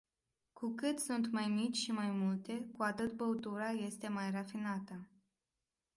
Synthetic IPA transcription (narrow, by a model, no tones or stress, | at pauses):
kukɨt̪sunt̪majmit͡ʃʲʃimajmult̪e̞kuat̪ɨt̪bəut̪uɾaje̞st̪e̞majrafinat̪ə